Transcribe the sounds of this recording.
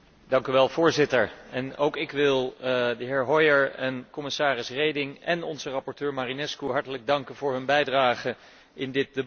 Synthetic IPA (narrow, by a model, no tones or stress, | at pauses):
d̥ɑŋkyʋɛlˠv̥ʊːɹzɪtəɹɛnowkɪkʋɪlˠdəɦɪːɹɦɔjəɹɛnkɔmɪsaːrɪsrejdɪŋɛnɔnzərɑpɔɹtøːɹmaːrinɛskuɦɑɹtələɡ̚dɑŋkənvʊːɹɦɵnbɛjdraːχə | ɪndɪt̚də